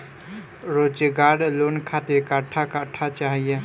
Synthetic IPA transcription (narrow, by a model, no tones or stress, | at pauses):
ɾot͡ʃəɡaɾlonkʰat̪ekaʈʰakaʈʰːat͡ʃaɦije